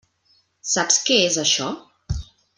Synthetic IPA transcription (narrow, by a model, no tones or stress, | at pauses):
sapskeezəʃɔ